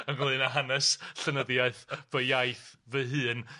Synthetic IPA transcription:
əɡlˠɨnaɦanɛsɬənəðjaɨθvəjajθvəɦɨːn

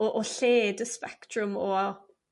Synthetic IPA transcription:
oʔoɬeːdəspɛktʰrʊmɔ

